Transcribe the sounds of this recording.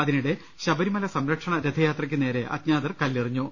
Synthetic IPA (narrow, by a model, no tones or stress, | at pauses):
ɐðinuɽe̞ | ɕɐbɐɾimɐlɐsɐmɾɐkʂɐɳɐɾed̪ʱɐjaːt̪rɐkʲːɨne̞ːɾe̞ʔɐ̰t̪ɲaːðɐrkɐlːiriɲːu